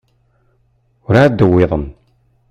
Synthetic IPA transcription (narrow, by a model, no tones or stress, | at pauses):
ʊɾad̪əwːeðˤən